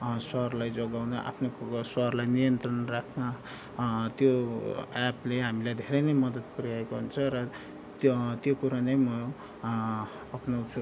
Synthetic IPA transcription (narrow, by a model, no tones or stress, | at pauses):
swʌɦrlajd͡zoɡawnʌʔa̰pʰnosʌɦrlajnijʌnt̪rʌnrakʰnʌ | t̪joapleɦamilajd̪ʱeɾʌjnʌjmʌd̪ʌt̪̚puɾiaekoɦunt͡sʰʌɾʌ | t̪jokuɾanemʌ̃ | apʰno